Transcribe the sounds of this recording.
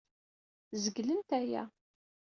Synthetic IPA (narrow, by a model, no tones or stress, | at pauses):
zəɡlənt̪æjæ̰